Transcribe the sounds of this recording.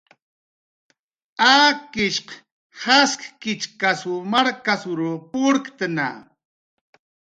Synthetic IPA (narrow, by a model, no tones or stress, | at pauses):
aːkɪʃq | haskkɪt͡ʃkasumaɾkasʊɾupʊɾkt̪əna̰